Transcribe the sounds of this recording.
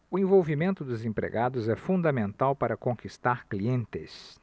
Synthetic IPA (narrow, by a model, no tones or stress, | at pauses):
ʊẽvowvimẽnt̪ʊd̪ʊzẽpɾḛɡad̪ʊzɛfũnd̪ɐmẽnt̪awpaɾɐkõkist̪aɾkliẽnt̪ɪs